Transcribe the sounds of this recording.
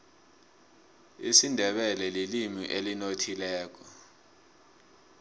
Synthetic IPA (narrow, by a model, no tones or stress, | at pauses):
isindʱɛɓɛlɛlilimḭʔelinotʰilɛːk̬ɔ